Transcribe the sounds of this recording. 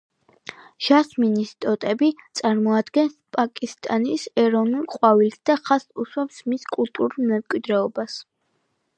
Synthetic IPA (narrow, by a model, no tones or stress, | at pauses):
ʒ̥asminist̪ʼɔt̪ʼɛbit̪sʼaɾmɔad̪ɡɛnspʼakʼist̪ʼanisɛɾɔvnulˠqʼwavilsd̪aχasuʃwɛpsmiskʼulˠt̪ʼuɾulˠmɛmkʼwid̪ɾɛɔbas